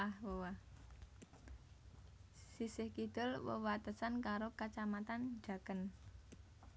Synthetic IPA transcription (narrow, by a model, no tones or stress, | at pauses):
ahwəwa | sisɪhkid̪̥ɔ̤lwə̰wat̪əsankaɾokat͡ʃamat̪an̥d͡ʒa̤kən